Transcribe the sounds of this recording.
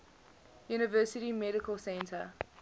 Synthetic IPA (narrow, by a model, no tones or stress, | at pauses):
juːnɪvɜˑsɪɾimɛɾɪkəlˠsɛ̃ntʰə